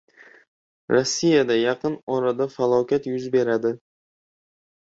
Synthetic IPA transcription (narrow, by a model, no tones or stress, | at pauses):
ɾosːijad̪ajɑqɨnɒɾad̪afalˠɒwkʲat̪jʊzbe̞ɾad̪ɪ